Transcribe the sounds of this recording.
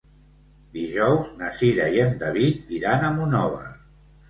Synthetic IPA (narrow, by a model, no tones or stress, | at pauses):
d̪iʒɔwznəsiɾaiend̪aβit̪iɾanəmunɔβə̰